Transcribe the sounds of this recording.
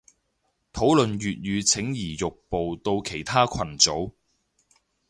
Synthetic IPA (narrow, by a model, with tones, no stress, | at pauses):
t̪ʰo˨˥wlɵ˨nɥyː˨t̚jyː˨˧t͡sʰɪ˨˥ŋjiː˨˩jʊ˨k̚po˨wt̪o˧wkʰe˨˩jt̪ʰaː˥kʷʰɐ˨˩nt͡so˨˥w